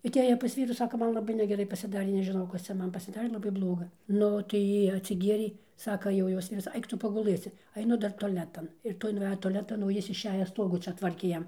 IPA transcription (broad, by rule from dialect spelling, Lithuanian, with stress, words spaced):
ɐˈtʲeːjɛ pɐs ˈʋʲiːruː ˈsɑːkɐ ˈmɐn lˠɐˈbɐɪ nʲɛɡʲɛˈrɐɪ pɐsʲɪˈdɑːrʲeː nʲɛʒʲɪˈnɐʊ ˈkɐs t͡sʲɛ ˈmɐn pɐsʲɪˈdɑːrʲeː lˠɐˈbɐɪ ˈblˠoːɡɐ ˈnʊ tɐɪ ˈjiː ɐtʲsʲɪˈɡʲiɛrʲeː ˈsɑːkɐ jɛʊ ˈjoːs tʲɪ ʋʲɪˈsɐɪ ˈɐɪk ˈtʊ pɐɡʊˈlˠɘsʲɪ ɐɪˈnʊ ˈdɐr toːˈlʲæːtɐn ɪr ˈtoːj nʊˈʋʲæːjoː toːˈlʲæːtɐn oː ˈjɪs ɪʃʲˈæːjɛ ˈstoːɡuː ˈt͡ʃʲɛ ˈtʋɐrʲkʲeː ˈjɛm